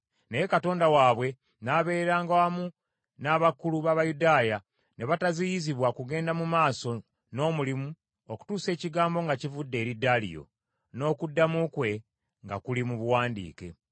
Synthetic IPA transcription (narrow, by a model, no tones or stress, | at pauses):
nejekato̞ːndawaːβwe̞ | naːβe̞ːeɾaːŋɡawamu | naβakuluβaβajudaːja | ne̞βatazijiziβwakuɡe̞ːndamumaːso̞ | no̞ːmulimu | oku̥tuːse̞ːciɡaːmbo̞ŋɡacivudːe̞ːɾidalḭjo̞̰ | no̞ːkudːamukwe̞ | ŋɡa̰kulimuβuwaːndḭːke̞̰